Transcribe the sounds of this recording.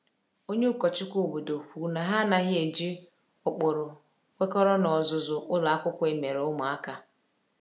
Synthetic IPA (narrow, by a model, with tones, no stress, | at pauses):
o˦ɲe˦ʊ˦kɔ˨t͡ʃɪ˦kʷu˦˨bu˨do˨kʷu˨na˨ɦa˦na˦ɣɪ˦e˨d͡ʒi˦ | ʊ˨k͡pʊ˨ɾʊ˨ | kʷe˦kɔ˦ɾɔ˦nɔ˨zʊ˨zʊ˨ʔʊ˦la˦kʷʊ˦kʷe˨me˨ɾʊ˦mʊ˨a˦ka˦